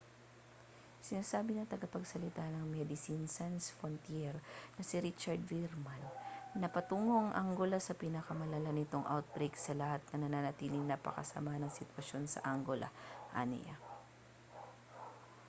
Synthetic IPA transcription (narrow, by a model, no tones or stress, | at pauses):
sɪnaːsaːbɪnɐŋt̪ɐɡɐpɐɡsɐlɪt̪anɐŋmɛd̪ɪsinsansfɾont̪jɛɾnɐsiɾit͡ʃɐɹd̪viɾmanːɐpɐt̪uːŋo̞ʔɐŋʔaŋɡolɐsɐpinɐkɐmɐlalanɪt̪o̞ŋʔa̰wt̪̚bɾejksɐlɐhat̪̚nɐnɐnanɐt̪iːlɪŋnɐpɐ̰kɐ̰sɐ̰manɐŋsɪt̪wɐʃo̞nsɐ̰ʔaŋɡolʔɐ̰ʔa̰nɛ̰ja̰